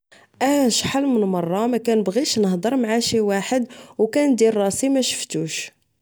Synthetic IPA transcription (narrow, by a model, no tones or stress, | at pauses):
ʔæʃħalːmənmɑrˤːɑmækænəbɣiʃnəhd̪ˤəɾˤmʕaʃiwaħəd̪wkænd̪irˤːɑsimæʃə̥ft̪uʃ